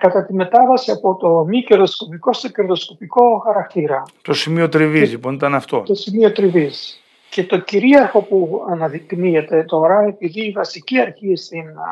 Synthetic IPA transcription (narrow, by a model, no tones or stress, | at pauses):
kɐt̪ɐt̪ime̞t̪ɐvɐsiɐpo̞t̪o̞miceɾðo̞sko̞piko̞st̪ece̞ɾðo̞sko̞piko̞xɐɾɐkt̪iɾɐt̪o̞simiot̪ɾivizliponit̪ɐnɐft̪o̞̰t̪o̞simio̞t̪ɾivis | ce̞t̪o̞ciɾiɐɾxo̞puɐnɐðikt̪imiet̪e̞t̪o̞ɾɐe̞piðiːvɐsiciɐɾçist̪in